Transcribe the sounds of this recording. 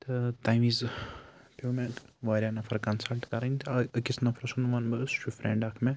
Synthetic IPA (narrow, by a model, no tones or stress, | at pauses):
t̪ɨt̪aːjmiːz | pʰuːmeʋaːɾʲjanɐpʰɐɾkɐnsɐlʈkɐɾɐnʲt̪ʰɐkit͡sʰnɐpʰɾɐsunumɐnbɐst͡ʃʰufɾʔḛɳɖɐkʰme